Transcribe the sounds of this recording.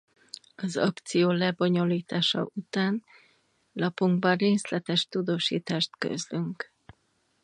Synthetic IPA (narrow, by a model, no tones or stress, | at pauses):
ɒzɒ̰kt̪sijoːlɛbo̞ɲo̞liːt̪aːʃɒ̰ʔut̪aːn | lɒpuŋɡbɒreːslɛt̪ɛʃt̪ud̪oːʃḭːt̪aːʃt̪kø̰zlyŋk